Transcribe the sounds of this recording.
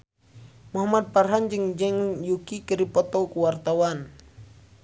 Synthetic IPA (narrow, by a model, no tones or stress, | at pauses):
muɦamad̪̚parɦand͡ʒəŋd͡ʒɛŋjukikəɾipɔt̪ɔkuwart̪awan